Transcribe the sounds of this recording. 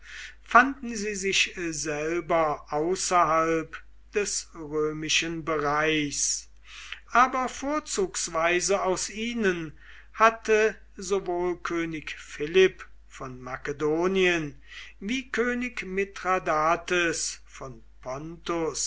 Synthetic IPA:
fandn̩ziːzɪçzɛlbɐʔaʊsɐhalp | d̥ɛsʁøːmɪʃənbəʁaɪs | ʔaːbɐfoːɐt͡suːksv̥aɪzəaʊsʔiːnən | hatə | zovoːlkʰøːnɪkfɪlɪp | fɔnmakədoːniən | viːkʰøːnɪkmɪtʁadaːtəsfɔn | pʰɔntos

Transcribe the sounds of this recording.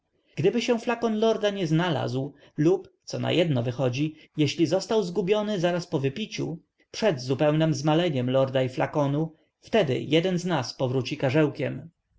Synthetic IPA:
ɡ̥d̪ɘbɘɕɛflakɔnlɔɾd̪aɲɛznala̰zw | lupt̪sɔna̰jɛd̪nɔvɘxɔd͡ʑi | jɛɕlʲizɔst̪awzɡubʲjɔnɘzaɾaspɔvɘpʲit͡ɕṵ | pʂɛd̪zupɛwnɛmzmalɛɲɛmlɔɾd̪aiflakɔnu | ft̪ɛd̪ɘ̰jɛd̪ɛnznaspɔvɾut͡ɕikaʐɛwkʲɛm

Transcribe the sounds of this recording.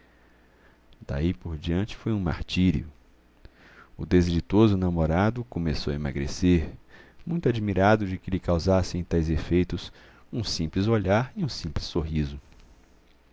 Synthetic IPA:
d̪̥a̰ipoɾd͡ʒiɐ̃nt͡ʃɪ̥fojũma̰ɾt͡ʃiɾḭʊ̰ | ʊd̪ezelit̪ozʊnamoɾad̪ʊkomesowɐema̰ɡɾḛseɾmũj̃t̪ʊad͡ʒimiɾad̪ʊd͡ʒɪkɪlɪkawzasẽj̃t̪ajzefejt̪ʊs | ũsĩmplɪzoʎaɾiũsĩmplɪsːoɦizʊ

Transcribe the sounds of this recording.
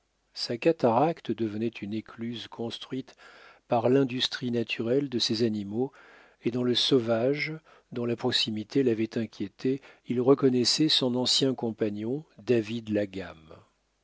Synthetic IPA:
sakat̪aʁakt̪d̪əvənɛt̪ʰynekʰlyzkʰɔ̃st̪χɥit̪paʁlɛ̃d̪yst̪χinat̪ʰyʁɛld̪əsɛzanimo | ed̪ɑ̃ləsɔvaʒ | d̪ɔ̃lapχɔksimit̪ʰelavɛt̪ɛ̃kʲjet̪ʰeilʁəkɔnɛsɛsɔ̃nɑ̃sjɛ̃kɔ̃paɲɔ̃d̪avid̪laɡam

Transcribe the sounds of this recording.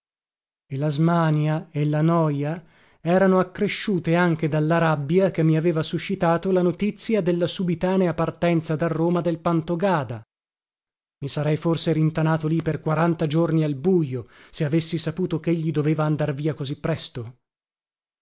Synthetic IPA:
elazmaːnjaelːanɔja | ɛːɾanoakːɾeʃːuːt̪eaŋk̟ed̪alːaɾabːjak̟emːiaveːvasuʃːit̪aːt̪olanot̪it̪sːjad̪elːasubit̪aːneapart̪ɛnt̪sad̪arːoːmad̪elpant̪oɡaːd̪a | misaɾɛjforseɾint̪anaːt̪oliperkwaɾant̪ad͡ʒornialbujoseavesːisapuːt̪okeʎːid̪oveːvaːnd̪arviːakozipːɾɛst̪o

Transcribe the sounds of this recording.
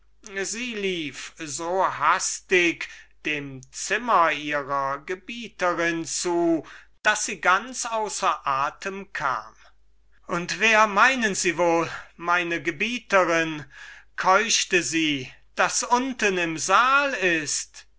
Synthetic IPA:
ziːliːfzoːhastɪkd̥eːmt͡sɪmɐiːʁɐɡəbiːtəʁɪnt͡suː | d̥asz̥iːɡant͡sʔaʊsɐʔaːtʰəmkʰa̰ːm | ʔʊntv̥eːɐmaɪnənziːvoːlmaɪnəɡəbiːtəʁɪnkʰɔʏʃtəziː | d̥asʔʊntənɪmzaːlɪst

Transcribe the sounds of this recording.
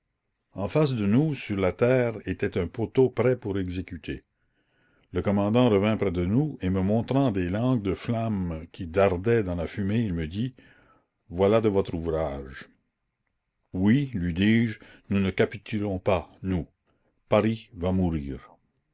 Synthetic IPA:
ɑ̃fas̬d̪ənusyʁlat̪ɛːʁet̪ɛt̪ɛ̃pot̪opɾɛpuʁɛɡzekyt̪ʰe | ləkɔmɑ̃d̪ɑ̃ɾəvɛ̃pʁɛd̪ənueməmɔ̃ːt̪ɾɑ̃d̪elɑ̃ːɡ̚d̪əflamkʲʰid̪aʁd̪ɛd̪ɑ̃lafymeilməd̪i | vwalad̪əvɔt̪ɾuvʁaːʒ | wilɥid̪iːʒnunəkapit̪ʰylɔ̃panu | paʁivamuɾiːʁ

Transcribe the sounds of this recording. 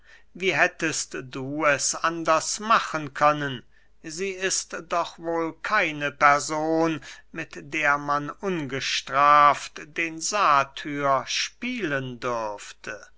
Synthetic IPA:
viːɦɛtəstduːɛsandɐsmaχənkʰœnən | ziːɪstd̥ɔχvoːlkʰaɪnəpɛɐzoːnmɪtd̥eːɐmanʔʊnɡəʃtʁ̥aːftd̥eːnzaːtʰyːɐʃpiːləndʏʁftʰə

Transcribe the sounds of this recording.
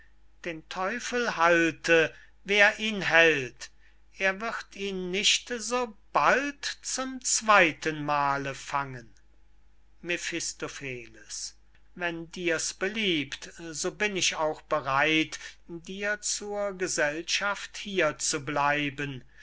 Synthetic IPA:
d̥eːntʰɔʏfəlhaltʰə | veːɐʔiːnɦɛlt | ʔeːɐvɪʁtʰiːnːɪʃtzoːb̥altt͡sʊmt͡sv̥aɪtʰənmaːləfaŋən | mefɪstofeːləs | vɛndiːɐsb̥əliːptzoːbɪnɪʃaʊxb̥əʁaɪtdiːɐt͡suːɐɡəzɛlʃafthiːɐt͡sublaɪbən

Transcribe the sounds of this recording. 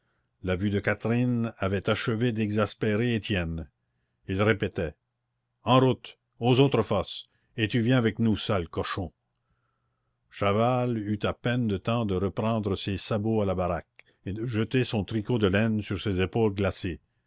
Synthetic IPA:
lavyd̪əkat̪ɾinavɛt̪aʃəved̪ɛɡzaspeɾeet̪jɛn | ilʁepet̪ɛ | ɑ̃ɾut̪ | ozot̪ɾəfɔs | et̪yvjɛ̃avɛknusalkɔʃɔ̃ | ʃavalyt̪apɛnd̪ət̪ɑ̃d̪əɾəpɾɑ̃ːd̪ɾəsesaboalabaɾak | ed̪əʒət̪esɔ̃t̪ʁikod̪əlɛnsyʁsezepoːlɡlase

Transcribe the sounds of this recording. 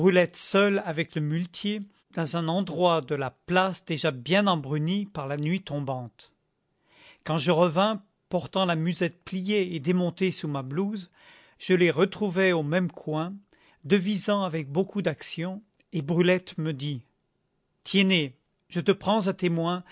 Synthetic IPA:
bʁylɛt̪sœlavɛkləmylt̪je | d̪ɑ̃zɛ̃nɑ̃d̪ʁwad̪əlaplasd̪eʒabjɛ̃nɑ̃bʁynipaʁlanɥit̪ɔ̃bɑ̃t̪ | kɑ̃ʒəʁəvɛ̃ | pɔʁt̪ɑ̃lamyzɛt̪̚plijeed̪emɔ̃t̪esumabluz | ʒ̥əleʁət̪χuvɛomɛmkʰwɛ̃ | d̪əvizɑ̃avɛk̚bokud̪aksjɔ̃ | ebʁylɛt̪məd̪i | t̪jɛne | ʒət̪əpχɑ̃zat̪emwɛ̃

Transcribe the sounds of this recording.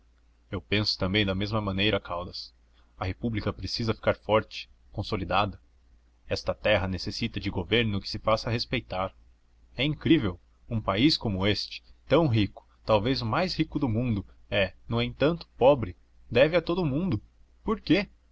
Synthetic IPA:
ewpẽsʊ̥t̪ɐ̃mbẽj̃d̪ɐmezmɐmɐ̃nejɾɐkʰawd̪ɐs | ɐhepublikɐpɾesizɐfi̥kaɾfɔɾt͡ʃɪ̥ | kõsolid̪ad̪ɐ | ɛst̪ɐt̪ɛɦɐnesesit̪ɐd͡ʒɪɡoveɾnʊkɪ̥sɪfasɐɦespejt̪aɾ | ɛĩŋkɾivew | ũpaiskõmʊest͡ʃɪ̥t̪ɐ̃w̃ɦikʊ̥t̪awvezʊmajshikʊd̪ʊmũnd̪ʊ | ɛnɐ̃w̃ẽj̃t̪ɐ̃nt̪ʊ̥pɔbɾɪ | d̪ɛvɪɐt̪od̪ʊmũnd̪ʊ | poɾke

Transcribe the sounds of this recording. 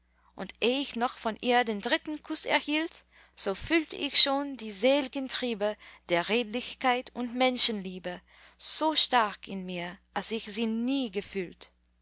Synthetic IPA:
ʔʊntʔeːɪçnɔχfɔnʔiːɐdeːndʁɪtn̩kʰʊsɛ̰ɐhiːlt | z̥oːfyltʰə̰ʔɪçʃoːndiːzeːlɪɡəntʁ̥iːbəd̥eːɐʁeːdlɪçkaɪtʊntmɛnʃənliːbə | z̥oːʃtaɐkɪnmiːɐʔalsɪçz̥iːniːɡəfyːlt

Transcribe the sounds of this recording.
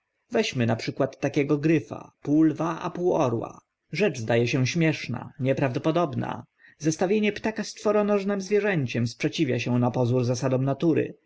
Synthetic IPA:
vɛɕmɘnapʂɘkwat̪ːakʲɛɡɔɡɾɘfa̰puwlvaʔa̰puwɔ̰ɾwa̰ | ʐɛd͡ʐzd̪ajɛɕɛ̃ɕmʲjɛʂna̰ɲɛpɾavd̪ɔpɔd̪ɔbna̰ | zɛst̪avʲjeɲɛpt̪akast̪fɔɾɔnɔʐnɛmzvʲjɛʐɛɲt͡ɕɛmspʂɛt͡ɕivʲja̰ɕɛ̃napɔzuɾzasad̪ɔ̃mnat̪uɾɘ̰

